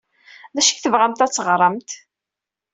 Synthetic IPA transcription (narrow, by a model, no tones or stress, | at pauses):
ðæʃi̥çθəvʁæmt̪æt͡sːəʁɾˤəmt̪